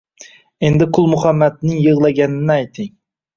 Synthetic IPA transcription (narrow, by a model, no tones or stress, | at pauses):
e̞nd̪ɪkʰʊlˠmʊχamːat̪nɪŋjɯʁlˠaɡʲanɪnɪajt̪ʰɪŋ